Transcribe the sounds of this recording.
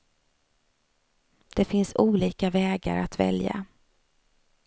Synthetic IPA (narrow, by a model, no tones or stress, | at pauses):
d̪̥ɛfɪnsuːliːkavɛːɡa̰ɾat̪vɛ̰lja̰